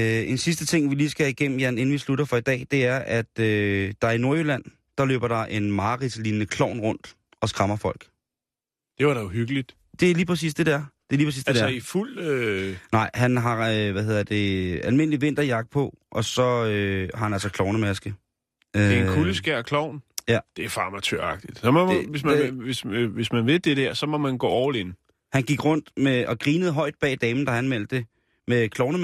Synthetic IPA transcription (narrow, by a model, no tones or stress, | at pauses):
e̝nsis̬d̥ət͡sʰe̝ŋ̰ʋiliːsɡ̥æiɡ̥em̰m̩jæne̝n̩ʋisluɾɐfɒ̽id̥ɛ̰ːd̥e̝æɐʔæd̥ød̥ɑ̈ino̝ɐølæn̰ | d̥ɑ̈lø̰ːb̥ɐɾ̥ɑ̈ʔe̝nmɑ̈ːʁid̥sliːnnəkʰlɒʊ̰nʁɔ̽n̰d̥ | ɒ̽sɡ̥ʁɑ̈mɐfɒ̽l̰ɡ̥ | d̥e̝ʋɑɾ̥ɑuhyɡ̥əlid̥ | d̥e̝æɐliːpʰʁɐsḭːsd̥e̝d̥eæɐd̥e̝liːpʰʁɐsḭːsdedeiful̰ønɑ̈ɪ̰ɦænɦɑ̈øʋæhe̝ð̰ˠɐd̥d̥e̝ælme̝n̰liʋen̰d̥ɐjɑ̈ɡ̥̚d̥̚pʰɒ̽ʔɒ̽sɒ̽øhɑ̈hænæl̰sɒkʰlɒʊnəmæsɡ̥ə̥ | ekʰuləsɡ̥æɐ̰kʰlɒʊ̰njæd̥e̝æfɑ̈mæt͡sʰøɐ̰ɑ̈ɡ̥̚d̥id̥sɒ̽mɔʋe̝s̬mʋe̝sʋe̝smænʋe̝d̥e̝d̥æɐsɒ̽mɒ̽mænɡ̥ɔ̰ːɒʊlen | hænɡ̥iɡ̥ʁɔ̽n̰d̥meɒ̽ɡ̥ʁiːnəð̞̩ˠɦɒ̽ɪ̰d̥̚b̥ɛ̰ːd̥ɛːmn̩d̥ɑ̈hænmel̰d̥de̝ | mekʰlɒʊnə